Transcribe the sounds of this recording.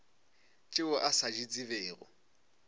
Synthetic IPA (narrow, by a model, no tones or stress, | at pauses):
t͡ʃʼɪʊʔasad͡ʒit͡sʼɪβeːɣʊ̰